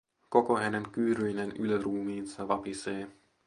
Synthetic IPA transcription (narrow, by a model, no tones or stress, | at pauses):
ko̞koɦæneŋkyːɾyjnenyløɾuːmiːnsɑʋɑpiseː